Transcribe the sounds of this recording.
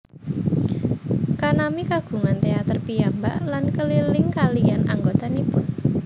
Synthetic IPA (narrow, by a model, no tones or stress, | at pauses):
kanamikaɡ̥ṳŋant̪eat̪ərpijamba̰ʔlankəlilɪŋkalijanʔa̰ŋɡot̪anipʊn